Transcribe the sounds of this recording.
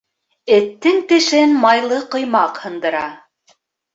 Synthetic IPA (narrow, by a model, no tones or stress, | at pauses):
ɘ̆t̪ːɘŋt̪ɘ̆ʃɘnmɑjlˠɤqɤ̆jmɑqhɤ̆nd̪ɤ̆ɾɑ